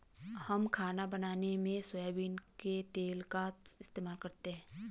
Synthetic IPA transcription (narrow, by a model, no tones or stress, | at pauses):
hɐmkʰaːnabɐnaːnemẽswəjabiːnket̪eːlkaɪst̪eːmaːlkɐɾt̪eɦɛ̃ː